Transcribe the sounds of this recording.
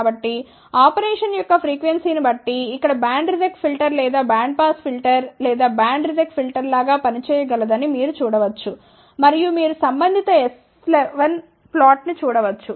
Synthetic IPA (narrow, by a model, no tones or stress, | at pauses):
bɐʈːi | aːpɐɾɛːʂɐnjɔkːɐpʰɾiːkʋensiːnibɐʈːiːkːɐɽɐbaːɳɖɾizekspʰilʈɐɾlɛːd̪aːbaːɳɖ̚paːspʰilʈɐɾlɛːd̪aːbaːɳɖɾizekpʰilʈɐɾlaːɡaːpɐnit͡ʃɛːjɐɡɐlɐd̪ɐnimiːɾut͡ʃuːɽɐʋɐt͡ʃːu | mɐɾijumiːɾusɐmbɐnd̪ʱit̪ɐes | leʋɐn | plaːʈnit͡ʃuːɽɐʋɐt͡ʃːu